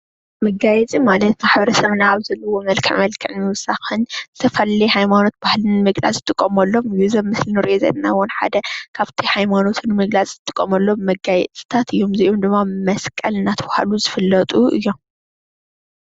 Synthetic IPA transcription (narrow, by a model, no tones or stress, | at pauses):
mɐɡajɛt͡sʼimalɐt̪maħbɐɾɐsɐβnaːβzɐlːɐwomɐlkʰɨ̰ʕmɐlkʰɨʕmɨwʊsaxɨnɨt̪ʰɐfɐllijhajmano̞t̪̚b̥ahlɨnɨmɨɡla̰zʼɨt̪ʼɨkʼːɐmɐlːo̞mjuzɐβmɨslinɨɾʔozɐ̰d̪nawɔnħa̰d̪ɐkʰaβt̪ʰihajmano̞t̪ʰunɨmɨɡlat͡sʼzɨt̪ʼɨkʼːɐmɐlːo̞mːɐɡajɛt͡sʼi̥t̪ʰat̪ʰɨjːo̞mzɐʔomd̪ɨmːamɐskʼɐlɨnat̪ʰɐbaha̰luzɨfɨlːɐt̪ʼuɨ̰jːo̞m